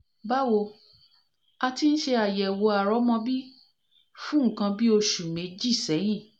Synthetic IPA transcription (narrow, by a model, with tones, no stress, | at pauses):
ba˦wo˧ | a˧ti˧ñ̩˦ʃe˧a˨jɛ˨wo˧a˨ɾɔ˨˦mɔ̃˧bi˦ | fũ˦ŋ̩˦˨kã˧bi˦o˧ʃu˨mẽ˨˦d͡ʒi˦˨sɛ˨˦j̃ĩ˦˨